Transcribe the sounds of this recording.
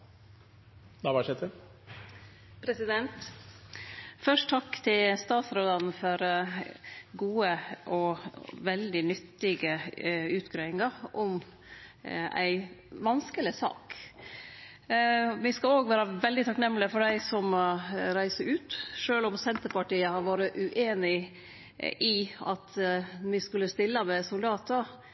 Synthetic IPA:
d̪ɑʋɑʂɛt̪ʰːə | pʰɾɛsɪd̪ɛnt̪ | fœʂʈt̪ʰɑkːt̪ʰɪlst̪ɑːt̪sɾoːd̪ɑn̩fɔɾ | ɡuːəʔɔʋɛld̪ɪnʏt̪ːɪɡəʉːt̪ɡɾeːɪŋɑɾɔm | æ̰ɪʋɑnskəlɪsɑ̰ːk | ʋɪskɑloːɡʋæːɾɑʋɛld̪ɪt̪ʰɑknɛmːlɪəfɔɖæɪsɔmɾæɪsəɾʉːt̪ʂøːlʊmsɛnt̪əɾpɑʈiːəhɑɾʋɑːɾəʔʉʔeːnɪ | ʔɪɑ̰t̪ʋɪskʉlːəst̪ɪlːəmɛsʊld̪ɑːt̪ə

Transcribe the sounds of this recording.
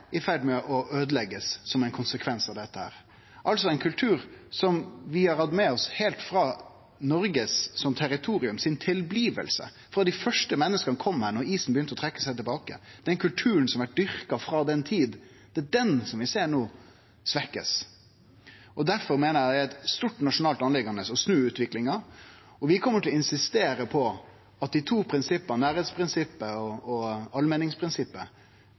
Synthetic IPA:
ʔɪfæɾɖ̪mɛʔɔʔøːd̪əlɛɡːəsːɔmɛnkʰʊnsəkʰʋɛnsɑʋd̪ɛt̪ːəhæ̰ːɾ | ʔɑlsɔɛɪnkʰʉlt̪ʰʉːɾsɔmʋɪhɑɾhɑd̪mɛɔshɛːlt̪fɾɑ | nɔɾɡəsːɔmt̪ʰæɾɪt̪ʰuːɾɪʉmsɪnt̪ʰɪlbliːʋə̰lsə̰ | fɾɑd̪ɪfœʂʈəmɛnːəskənəkʰɔmhæːɾɳɔɾiːsn̩bəjʏnt̪əɔt̪ʰɾɛkːə̥sæɪt̪ɪlbɑːkə̰d̪̥ɛnkʰʉlt̪ʰʉːɾənsɔmʋæʈ̚d̪ʏɾkɑfɾɑːd̪ɛnt̪ʰiːd̪ | d̪̥ɛæd̪ɛnsɔmʋɪseːɳoː | sʋɛkːə̰s | ɔd̪æɾfɔɾmeːnəɾjæææt̪st̪uʈːnɑʂʊnɑːlt̪ɑnlɛɡɑnəsɔsnʉːʉːt̪ʋɪklɪŋɑ | ɔʋɪkʰɔmːəʈʰɪlɪnsɪst̪eːɾəpʰɔ | ɑt̪̚d̪ɪt̪ʰuːpʰɾɪnsɪpːənnæːɾeːt̪spʰɾɪnsɪpːəɔɔɑlmɛnːɪŋspʰɾɪnsɪpːə

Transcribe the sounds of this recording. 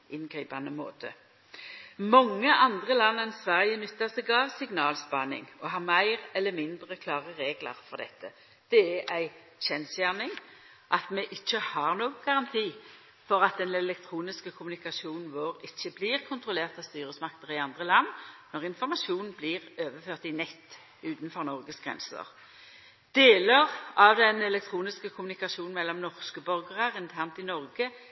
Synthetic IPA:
ɪnɡʁiːpɑnəmo̰ːt̪ʰə | mɔŋːəʔɑnd̪ʁəlɑnːənsʋæʁjənʉt̪ːəsɛɡɑːʋsɪɡnɑːlspɑnɪ̰ŋɔɦɑʁmæɪʁɛlːəmɪnd̪ʁəkʰlɑːʁəʁeːɡlɑ̰ʁfɔʁd̪ɛ̰t̪ʰːə | d̪̥ɛæʔæɪ | ɕɛnsjæʁnɪŋ | ʔɑt̪mɛʔɪçːəhɑʁnoːɡəɡɑʁɑnt̪ʰiː | fɔʁɑt̪̚d̪ɛnɛlɛk̚t̪ʰʁuːnɪskəkʰʊmnɪkɑʃuːnn̩ʋoːʁɪçːəbliʁkʰʊnt̪ʁʊleːʁt̪ɑʋst̪yːɾəsmɑkt̪əʁɪɑnd̪ʁəlɑnːnɔʁɪnfɔʁmɑsuːnn̩bliʁøːʋəføːʁt̪ɪnɛt̪ː | ʉːt̪n̩fɔʁnɔʁɡəsɡ̥ʁɛ̰nsə̰ʁ | d̪̥eːləʁɑʋd̪ɛnɛlɛk̚t̪ʰʁuːnɪskəkʰʊmnɪkɑʃuːnn̩mɛlːɔmnɔʁskəbœʁɡəʁəʁɪnt̪ʰæʁnt̪ɪnɔʁɡə

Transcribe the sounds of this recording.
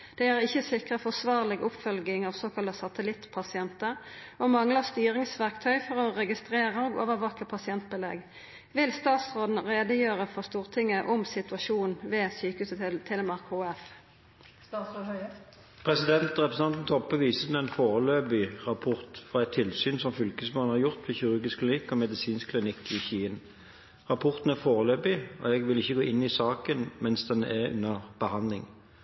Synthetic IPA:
d̪̥ɛæʁɪçːəsɪkʁəfɔʁsʋɑːʁlɪɡʊpfœlɡɪŋɑːʋsoːkɑləsɑt̪əlɪt̪pʰɑsɪɛnt̪ə | omɑŋlɑst̪yːʁɪŋsʋæʁkt̪ʰœʏfɔʁɔʁɛɡɪst̪ʁeːʁəoːɡo̰ːʋəʋɑkəpʰɑsɪɛnt̪̚bəlɛ̰ɡ | ʋɪlst̪ɑːt̪sʁoːd̪n̩ʁeːd̪əjøːʁəfɔʁst̪uːʁt̪ʰɪŋːəʔʊmsɪt̪ʉɑʃuːnʋeːsyːkhʉːsət̪ʰɛləmɑʁkhoːɛf | s | pʰɾɛsɪd̪ɛnt̪ʁɛpɾɛsn̩ɑnt̪nt̪ʰɔpːəʋiːsəd̪nɛɪnfoːʁəløːbɪʁɑpʰɔʁt̪fʁɑɛɪt̪ʰːɪlsyːnsɔmfʏlkəsmoːnhɑɾjʊʁt̪ʋɪçʏɾʉɡɪskʰlɪnɪkːɔmɛd̪ɪsiːnskʰlɪnɪkːɪçiːən | ʁɑpʰɔʁt̪n̩æʁfoːʁəløːbɪɔ̰ɛɡʋɪlɪçːəɡoːɪnːɪsɑːkənmɛnsd̪ɛnɛʁʉ̰nːəʁb̥əhɑnd̪lɪŋ

